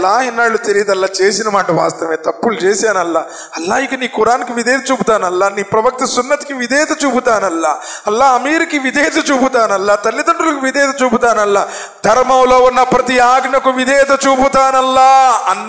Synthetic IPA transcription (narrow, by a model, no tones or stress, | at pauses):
lːaːinːaːɭːut̪eɾijɐd̪ɐlːaːt͡ʃeːsinɐmaːʈɐʋa̰ːst̪ɐʋeːt̪ɐpːult͡ʃeːsaːnɐlːa | ɐlːaːiɡɐniːkuɾaːnɐkiʋid̪ɛːt̪ɐt͡ʃuːput̪aːnɐlːaːniːpɾɐʋɐk̚t̪ɐsunːɐt̪i̥kiʋid̪ɛːt̪ɐt͡ʃuːput̪aːnɐlːaːɐlːaɐmiːɾikiʋid̪ʱɛːt̪ɐt͡ʃuːput̪aːnɐlːat̪ɐlːid̪ɐɳɖulɐkiʋid̪ɛːt̪ɐt͡ʃuːput̪aːnɐlːaː | d̪ʱɐɾmɐwloːunːɐpɾɐt̪iaːɡɳɐkuʋid̪ʱɛːt̪ɐt͡ʃuːput̪aːnɐlːaɐn